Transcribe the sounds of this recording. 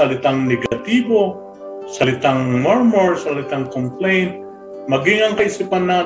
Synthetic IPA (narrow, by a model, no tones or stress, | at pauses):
ɐlɪt̪aŋnɛɡɐt̪iːbo̞ | sɐlɪt̪aŋmɔɹmoɹsɐlɪt̪aŋkomplɛjnt̪̚ | mɐɡɪŋɐŋkɐʔɪsipanːa